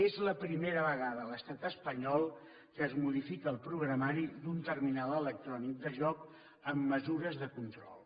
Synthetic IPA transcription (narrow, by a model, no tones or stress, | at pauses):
ezləpɾimeɾəβəɣ̞aðələst̪at̪əspəɲɔlˠ | kəːzmuðifikəːlˠpɾuɣɾəmaɾid̪unt̪ərminalˠələk̚t̪ɾɔnik̚d̪əʒɔk | əmːəzuɾəzðəkunt̪ɾɔ̰lˠ